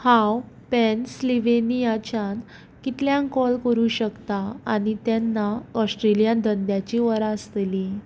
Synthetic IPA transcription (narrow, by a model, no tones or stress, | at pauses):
hãw | pɛnsliʋenijat͡ɕan | kit̪ljãŋkɔlkəɾuɕəkt̪aañit̪janːaɔsʈɾelijand̪ənd̪jat͡ɕiʋəɾaəst̪eli